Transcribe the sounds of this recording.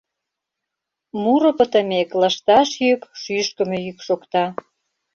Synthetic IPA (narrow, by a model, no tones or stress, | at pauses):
muɾŏpə̆t̪ə̆meklɑʃt̪ɑʃjykʃyʃkə̆mejykʃokt̪ɑ